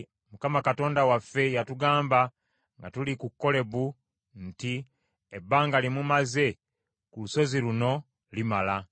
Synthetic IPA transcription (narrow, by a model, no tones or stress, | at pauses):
mukamakato̞ːndawafːe̞jatuɡaːmba | ŋɡatulikukːo̞le̞βu | n̩ti | ebːaːŋɡalimumaze̞ | kuluso̞ziluno̞ | limala